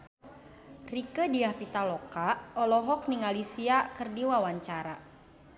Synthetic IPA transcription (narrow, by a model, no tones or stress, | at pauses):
rikədiahpit̪alɔkaɔlɔɦɔk̚niŋalisiakərdiwawaɲt͡ʃaɾa